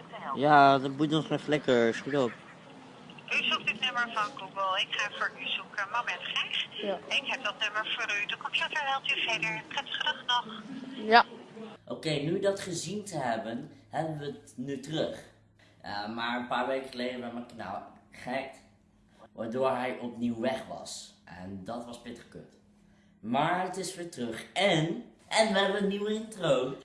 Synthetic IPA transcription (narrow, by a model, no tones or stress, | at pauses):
jadɔt̚budɔnsmɛflɛkəɹsχutɔp | yzuk̚dɪtnʏməɹvɑnɡuɡəlˠɪkχaːvʊːɹyzukənmabɛtχɛχɪkɦɛp̚dɑt̚nøməɹvoːɾydɔkomsəfəɹɦɛlˠtyvɛdəɹprɛtə̥χədəχnɔχ | ʔokejnydɑtχəzintəɦɛbənɦɛbənʋətnytərɵχ | maːɹənpaːɹʋejkəχəlejdəʋɛmɛkna̰ːχəɛk̚t | ʋaːɹdʊːɹɦɛjʔɔpniwʋɛχʋɑ̰sʔɛ̰ndɑtʋɑspɪtə̥χkø̰t | maːɹətɪsʋɪːɹtərɵχɛn | ʔɛnʋəɦɛbənətniwəɪntrow